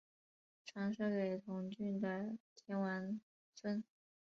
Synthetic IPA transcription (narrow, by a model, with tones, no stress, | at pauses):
ʈ͡ʂʰɑ˧˥ŋʂɤ˥˩ke˨˩ɪt̪ʰʊ˧˥ŋt͡ɕy˥˩nd̪ə˩t̪ʰjɛ˧˥nwa˧˥n | sə˥n